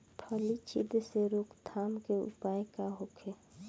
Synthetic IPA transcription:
pʰəlit͡ʃʰɪ̰d̪ʱseɾokʰd̪ʰʱaːmkeʊ̰paːekaɦokʰe

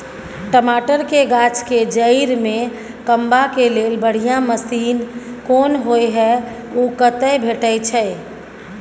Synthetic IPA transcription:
ʈəmaːʈəɾkeɡat͡ʃked͡ʒəiɾmẽ | kəmbakelelbəɽ̤ijaməsiːnkoːnɦoeɦɛ | okət̪əjbʱeʈət͡ʃʰɛ

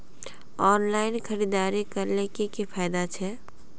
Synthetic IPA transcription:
ɔːnlaːɪnkʰəɾiːd̪aːɾekəɾlekekepʰaːjɪd̪at͡ʃʰɛ

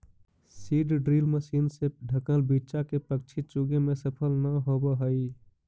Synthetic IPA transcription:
siɖɖɾilməsinseɖʱəkəlbit͡ʃakepək̚t͡ʃʰit͡ʃuɡemesəpʰəlnəɦobəɦəi

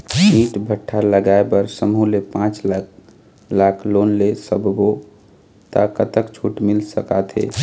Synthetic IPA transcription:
miːʈbʱəʈʰːaləɡaebəɾsəmulepãːt͡ʃl | lakʰloːnlesəbʱbo | t̪a̰kət̪əkt͡ʃʰuːʈmɪlsəkat̪ʰɦḛː

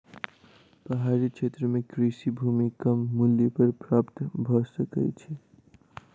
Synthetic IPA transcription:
pəɦaɾit͡ʃʰet̪ɾəmekɾisibʱumikəmːuljəpəɾpɾaːpt̪bʱɔsəkə̰t͡ʃʰi

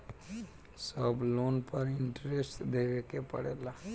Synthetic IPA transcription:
səbloːnpəɾɪɳʈɾesʈd̪eːʋekepə̰ɽeːlaː

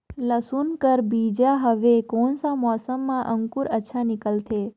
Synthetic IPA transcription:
ləsunkəɾbid͡ʒaɦəʋekonsãmɔsəmːãʔəŋkuɾətːʃʰanɪkəlt̪ʰe

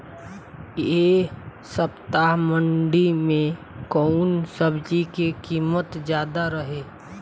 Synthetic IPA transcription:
je | səpt̪aɦməɳɖimẽ | kɔːnsəbd͡ʒikekiːmət̪d͡ʒjaːd̪aɾəɦeː

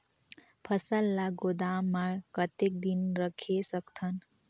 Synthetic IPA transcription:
pʰʌsəlːaɡod̪amːakʌt̪ek̚d̪inɾʌkʰesʌkt̪ʰʌn

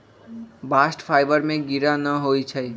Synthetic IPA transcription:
baːsʈpʰaːɪbəɾmẽɡiɾanəɦoit͡ʃʰəi

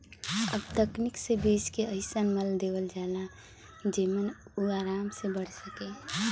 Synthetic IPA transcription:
əbt̪əkniksebiːskeəɪsənməld̪ewəld͡ʒaːla | d͡ʒemənuaːɾaːmsebəɽ̤səke

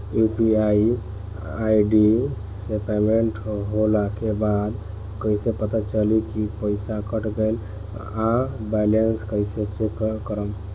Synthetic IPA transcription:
jupiai | aiɖi | sepemeɳʈɦolakebad̪ | kəisepət̪at͡ʃəlikipəɪsakəʈɡəl | abɛlenskəɪset͡ʃekkəɾəm

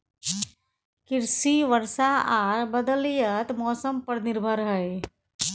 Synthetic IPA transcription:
kɪɾsiʋəɾsaaːɾbəd̪əljət̪mɔːsəmpəɾnɪɾbʱəɾɦəe

